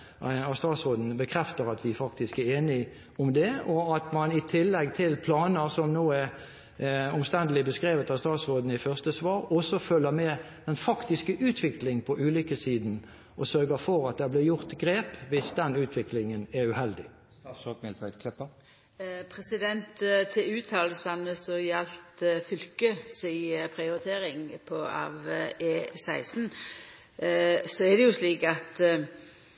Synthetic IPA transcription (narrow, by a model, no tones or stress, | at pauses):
ɑst̪ɑːt̪sʁoːd̪n̩bəkʰʁɛft̪əɾɑt̪ʋɪfɑkt̪ɪskæeːnɪ | ʊmd̪ɛɔɑt̪mɑnɪt̪ʰɪlːɛɡ̚t̪ʰɪlpʰlɑːnəsɔmnoːæʁ | ɔmst̪ɛnd̪əlɪbəskʁeːʋət̪ɑst̪ɾɑːt̪sʁoːd̪n̩ɪfœʁst̪əsʋɑːɾʁɔsɔfœlːəʁmɛ | d̪̥ɛnfɑkt̪ɪskəʔʉːt̪ʰʋɪklɪŋpʰɔʔʉːlʏkəsiːd̪n̩ | ʔɔsœʁɡəfɔɾɑt̪̚d̪ɛblɪːjʊʁt̪ɡɾeːpʋɪsd̪ɛnʉːt̪ʰʋɪklɪŋənæʁʉhɛld̪ɪ | sɔmɪlʋæt̪kʰɛpːə | pʰɾɛsɪd̪ɛnt̪t̪ʰɪlʉːt̪ʰɑːlsɑnəsɔjɛlt̪fʏlkəsɪpʰɾɪʊɾɪt̪ʰeːɾɪŋpʰɔɑ̰ːʋeːsæɪsn̩ | sɔɛd̪ɛjʊsliːkɑt̪